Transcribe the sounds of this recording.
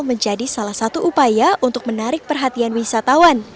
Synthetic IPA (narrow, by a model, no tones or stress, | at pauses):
məɲd͡ʒadisalahsat̪uʔupajaʔunt̪ʊk̚mənaɾɪk̚pərɦat̪ianwisat̪awan